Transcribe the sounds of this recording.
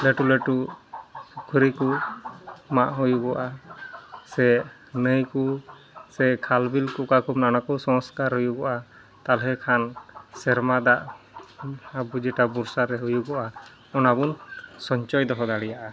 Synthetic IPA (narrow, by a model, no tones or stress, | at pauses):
leʈuleʈu | kʰuɾiku | maʔɦujuɡɔwʔa | sɛ | nəjku | sɛkʰalbilkuʔkakʰubnanakɔwsɔŋskaɾɦɔjuɡɔʔa | t̪alɦɛkʰansɛɾmad̪aʔ | abud͡ʒɛʈabuɾsaɾɛɦujuɡɔʔa | ɔnabunsɔɲt͡ʃɔjd̪ɔɦɔd̪aɽɛjaʔa